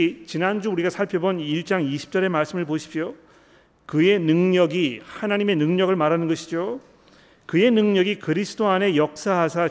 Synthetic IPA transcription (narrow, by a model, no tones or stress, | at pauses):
t͡ɕinand͡ʑuuɾiɡasʰaɭpʰjʌbʌniɭt͡ɕ͈aŋiɕʰi̥p̚t͡ɕ͈ʌɾe̞maɭs͈ɯmɯɭpoɕʰi̥p̚ɕo | kɯe̞nɯŋɲʌɡihanaɲime̞nɯŋɲʌɡɯɭmaɾanɯnɡʌɕʰid͡ʑo | kɯe̞nɯŋɲʌɡikɯɾisʰɯdoane̞jʌk̚s͈aɦasʰa